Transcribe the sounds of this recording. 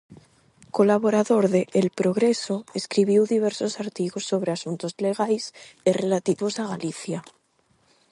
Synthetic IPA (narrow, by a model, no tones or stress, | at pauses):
ko̞laβo̞ɾaðo̞ɾðeʔːlpɾo̞ɣ̞ɾe̞so̞eskɾiβjiwðiβe̞ɾso̞saɾt̪iɣosːo̞β̞ɾeasunt̪o̞zle̞ɣ̞ajsere̞lat̪iβo̞saɣ̞aliθja